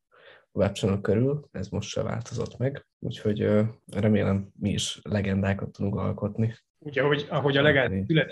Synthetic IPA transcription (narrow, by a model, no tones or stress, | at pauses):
ovaːp̚t͡ʃonokøɾylɛzmo̞ʃtʃɛ̰va̰ːlt̪o̞zo̞t̪mɛɡ | ṵːcho̞ɟørɛmeːlɛmːiiʃlɛɡɛnd̪aːkɒt̪ːud̪uŋkɒ̰lko̞t̪ni | uːɟɒɦoɟɒɦo̞ɟɒlɛɡaːlylɛt̪